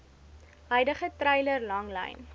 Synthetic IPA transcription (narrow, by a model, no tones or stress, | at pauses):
ɦœjdəχətrɛjlərlɐŋlə̰jn